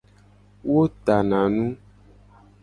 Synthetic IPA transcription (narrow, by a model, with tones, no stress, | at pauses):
wo˦t̪a˨nã˨nũ˦